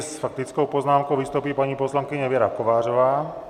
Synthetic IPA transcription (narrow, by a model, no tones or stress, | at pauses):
sfak̚t̪it͡skɔʊpɔznaːmkɔʊʋist̪uːpiːpaɲipɔslaŋkiɲɛʋjɛɾakɔʋaːrɔʋaː